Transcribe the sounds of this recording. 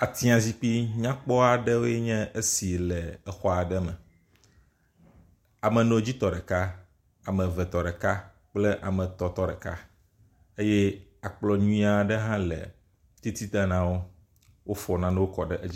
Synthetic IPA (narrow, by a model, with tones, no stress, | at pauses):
a˨t̪i˦ã˨zi˦k͡pi˦ɲã˦k͡pɔ˦a˨ɖɛ˦wo˦jɛ˦ɲɛ̃˦ʔe˦si˨lɛ˨ɛ˨xɔ˦a˨ɖɛ˦mɛ˨ | a˨mə̃˨nõ˦d͡ʑi˦t̪ɔ˨ɖɛ˨ka˦ | a˨mɛ̃˨vɛ˨t̪ɔ˨ɖɛ˨ka˦ | k͡ple˦ʔa̰˨mɛ̃˨t̪ɔ˨t̪ɔ˦ɖɛ˨ka̰˦ | e˦je˦a˨k͡plɔ˨ɲũ˦ĩ˦a˨ɖə˦ɦã˦lɛ̰˨ | t̪i˦t̪i˦t̪a˦nã˦wo˦ | wo˦fɔ˨nã˦nɛ̃˦wo˦kɔ˨ɖɛ˦ʔe˦i˦